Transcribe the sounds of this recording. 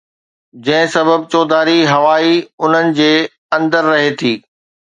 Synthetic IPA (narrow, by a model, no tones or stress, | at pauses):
d͡ʑɐ̃ɦɪ̃sɐbəbt͡ɕoːd̪aːɾiɦɐʋaːiʊn̤ənɪ̆d͡ʑeː | ɐ̃nd̪əɾːɐɦet̪ʰiː